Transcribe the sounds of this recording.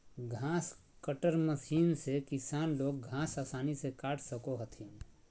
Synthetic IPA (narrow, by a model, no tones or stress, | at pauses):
ɡʱãːs | kəʈəɾməsiːnsekɪsaːnloːɡ̚ɡʱãːsaːsaːnisekaːʈʰsəkoɦət̪ʰiːn